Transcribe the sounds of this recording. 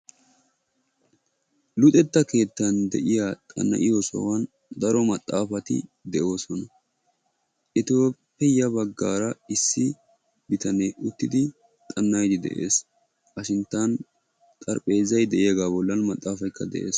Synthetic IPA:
lʊt̪ʼɛt̪ːɐke̞ːt̪ːɐnd̪ɛʔɪjat̪ʼɐ̰nːɐ̰ʔɪjosɔ̰wɐn | d̪ɐɾɔmɐt̪ʼːaːfɐt̪ɪ̰d̪ɛʔo̞ːsɔnɐ | ʔɪt̪oːpːɛjɐbɐɡːaːɾɐɪsːɪ | bɪt̪ɐnɛjʊt̪ːɪd̪ɪ | t̪ʼɐnːɐjd̪ɪd̪ɛ̰ʔe̞̰ːs | ʔɐʃɪnt̪ːɐn | t̪ʼɐɾpʼe̞ːzɐjd̪ɛʔɪjɡaːbɔlːɐnmɐt̪ʼːaːfɐjkːɐd̪ɛ̰ʔe̞̰ːs

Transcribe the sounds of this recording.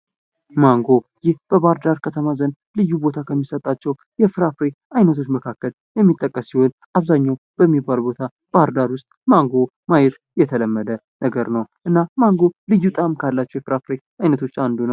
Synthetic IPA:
maŋɡo̞jɪhb̥əbaɾd̪aɾkʰət̪ʰəmazən | lɨjːubo̞t̪ʰakʰəmːisət̪ʼat͡ʃːɛw | jɛfɨɾafɾe | ajnət̪ʰo̞t͡ʃːməkʰakːəl | jɛmːit̪ʼːəkʼːəsːiho̞n | ʔaβzaɲːaw | b̥əmːibːalbo̞t̪ʰa | b̥aɾd̪aɾwʊst̪ʼmaŋɡo̞ | majɛt̪ | jɛt̪ʰələmːəd̪ə | nəɡəɾnəwʔɨnːamaŋɡo̞lɨjːut̪ʼamkʰalːat͡ʃːɛwjɛfɨɾafɾe | ajnət̪ʰo̞t͡ʃːand̪unəw

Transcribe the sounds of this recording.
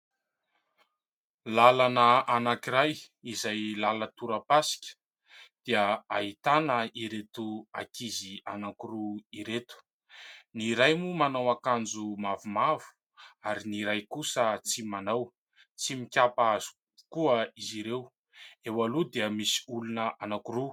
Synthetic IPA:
lalanəanakiɾaj | izajlalət̪uɾəpasi̥kʲə̥ | d̪̥iəait̪anəiɾet̪uakizianaŋkuruiɾet̪u̥ | niɾajmumanawakand͡zumavumavu̥ | aɾiniɾajkusət͡simanaw | t͡simikʲapazu̥ | kuəiziɾew | ewalud̪eəmisi̥ulunəʔanakuɾu

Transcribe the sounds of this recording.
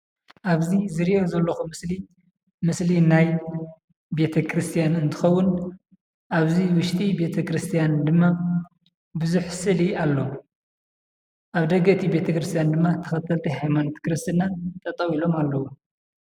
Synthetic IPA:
ʔaβzizɨɾiʔozɐlːoxumɨsli | mɨslinaj | be̞t̪ʰɐkʰɾɨst̪ʰijanɨnt̪ʰɨxɐwːʊn | ʔaβziwʊʃt̪ʼibe̞t̪ʰɐkɾɨst̪ʰijand̪ɨmːa | bɨzuħsɨɨlialːo | ʔaβd̪ɐɡɐʔt̪ʰibe̞t̪ʰɐkɾɨst̪ʰjand̪ɨmːat̪ʰɐ̥xɐt̪ʰɐlt̪ʰihajmant̪ʰkɨɾɨst̪ʰɨnat̪ʼɐt̪ʼɐwilo̞malːɐwu

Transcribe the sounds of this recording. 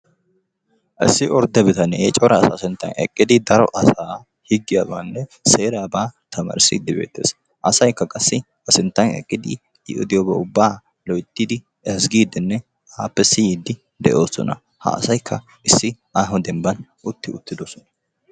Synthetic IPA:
ʔɪ̰sːɪʔɔɾd̪ɛbɛt̪ɐnɛt͡ʃʼɔɾɐsasɪnt̪ːɐ̰nɛ̰kʼːɪd̪ɪd̪ɐɾɔ̰ʔɐsaː | hɪɡːɪjaːbaːnːɛse̞ːɾaːbaːt̪ɐma̰ːɾsɪ̰d̪ːɪbḛːt̪ːḛːs | ʔɐsɐjkːɐkʼɐsːɪ | hɐsɪnt̪ːɐnɛ̰kʼːɪd̪ɪ | ɪ̰ʔʊ̰d̪ɪjɔbɛʊbːaː | lɔjt̪ːɪd̪ɪ | ɛsɡiːd̪ɪnːɛ | aːpːɛsɪjid̪ːɪ | d̪ɛ̰ʔo̞ːsɔ̰nɐ̰ | hɐ̰ʔɐ̰sɐjkʰːɐ | ʔɪsːɪʔaːɦɔd̪ɛmbɐnʔʊt̪ːɪʊt̪ːɪd̪osɔnɐ̥

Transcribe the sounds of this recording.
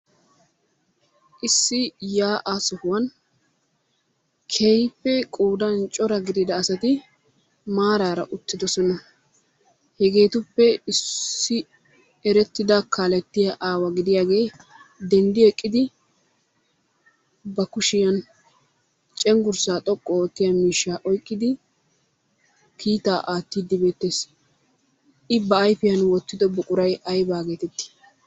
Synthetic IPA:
ʔɪsːɪjaːʔaːsɔhʊwɐn | kʰejpːɛkʼuːd̪ɐnt͡ʃʼɔɾɐɡɪd̪ɪd̪ɐːsɐt̪ɪ | maːɾaːɾɐʔʊt̪ːɪd̪ɔsɔnɐ | hɛɡe̞ːt̪ʊpːɛɪsːɪ | ɛɾɛt̪ːɪd̪ɐkaːlɛt̪ːɪjɐʔaːwɐɡɪd̪ɪjaːɡe̞ː | d̪ɛnd̪ɪjɔjkʼːɪd̪ɪ | bɐkʊʃɪjɐn | t͡ʃʼɛŋɡʊɾsaːt̪ʼɔkʼːɔɔkːɪjɐmiːʃːaːʔɔjkʼːɪd̪ɪ | kʰiːt̪aːʔaːt̪ːiːd̪ːɪbeːt̪ːe̞ːs | ʔɪbɐːjfɪjɐnwɔt̪ːɪd̪ɔbɔkʼʊɾɐjɐjbaːɡe̞ːt̪ɛt̪ːɪ̥

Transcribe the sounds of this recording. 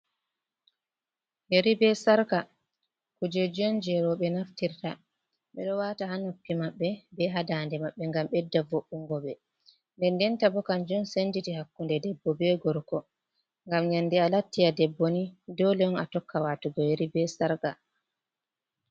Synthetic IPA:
heɾibɛsaɾka | kud͡ʒɛd͡ʒɔnd͡ʒɛɾɔɓɛnaftiɾta | ɓɛɗɔwaːtaɦanopːimaɓːɛbɛɦadaːndɛmaɓːɛŋɡamɓɛdːavoɓːuŋɡɔɓɛ | ndɛndɛntabɔkand͡ʒɔnsend͡ʒitihakːundɛdɛbːɔbɛɡɔɾkɔ | ŋɡamɲanːdialatːiadɛbːonidɔlɛɔnatɔkːawatuɡɔjeɾibɛsaɾka

